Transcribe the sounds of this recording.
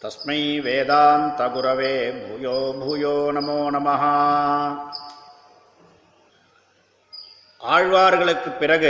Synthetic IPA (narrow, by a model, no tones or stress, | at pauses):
t̪ɐsmiːʋeːd̪aːnt̪ɐɡuɾɐʋeːbʱujoːbʱujoːnɐmoːnɐmɐɦɐ | aːɻʋaːɾɣɐɭɯkːɨpːiɾɐɡɯ